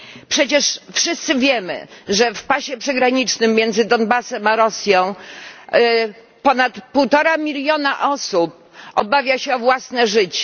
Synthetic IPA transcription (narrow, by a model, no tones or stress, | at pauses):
pʂɛt͡ɕɛʂfʂɘst̪sɘvʲjɛmɘ̰ʐɛfpaɕɛpʂɛɡɾaɲit͡ʂnɘmːjɛnd̪zɘd̪ɔnbasɛmaɾɔsʲjɔ̃w̃ | pɔnat̪puwt̪ɔɾamʲilʲjɔnaʔɔsup̚ | ɔbavʲjaɕɛɔvwasnɛʐɘt͡ɕ